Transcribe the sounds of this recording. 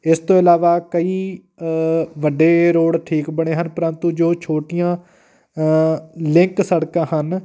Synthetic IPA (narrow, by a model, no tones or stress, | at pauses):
ɪst̪õːɪlaːʋaːkəiː | ʋəɖeːɾoːɽʈʰiːkbəɳ̃eːɦənpəɾənt̪ũːd͡ʒoːt͡ʃʰoːʈɪjãː | lɪ̃ŋksəɽkãːɦən